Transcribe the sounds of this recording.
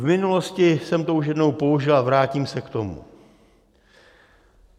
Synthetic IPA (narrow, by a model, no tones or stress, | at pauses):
vmɪnulo̞scɪsɛmt̪ouʃ̬jɛdno̞wpo̞uʒɪlavɾaːciːmsɛkt̪o̞mṵ